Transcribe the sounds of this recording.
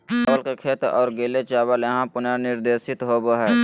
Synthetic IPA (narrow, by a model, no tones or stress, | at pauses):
sɔːlkekʰeːt̪ɔːɾɡeːlet͡ʃaːbəleɦãpʊnanɪɾd̪eːsɪt̪ɦoboɦɛː